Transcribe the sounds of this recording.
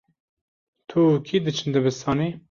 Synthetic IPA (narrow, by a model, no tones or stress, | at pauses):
t̪ʰukʰiːd̪ɨt͡ʃʰɨnd̪ɨbɨst̪ɑːniː